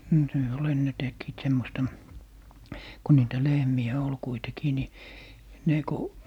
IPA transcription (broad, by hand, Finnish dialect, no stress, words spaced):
no se ol enːe tekːiːt semːostɑ ku niːtæ lehmiæ ol kuitekiː ni ne ku